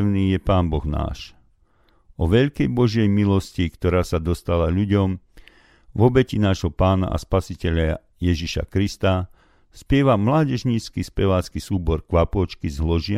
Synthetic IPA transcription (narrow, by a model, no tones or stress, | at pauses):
ʊniːjɛpaːnbɔɣna̰ːʃ | ɔʋɛʎkɛjbɔʒɪɛjmilɔscikt̪ɔɾaːsad̪ɔst̪alaʎuɟɔm | vɔbɛcinaːʒɦɔpaːna̰ʔa̰spasicɛʎa | jɛʒiʃa̰kɾist̪a | spɪɛʋamlaːɟɛʒɲiːt͡skispɛʋaːt͡skisuːbɔɾkʋapʊɔt͡ʃkizɦlɔʒɪa